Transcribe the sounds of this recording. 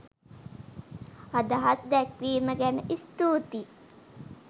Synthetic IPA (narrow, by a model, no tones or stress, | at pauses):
ad̪aɦasd̪ɛkʋiːməɡænəʔist̪uːt̪i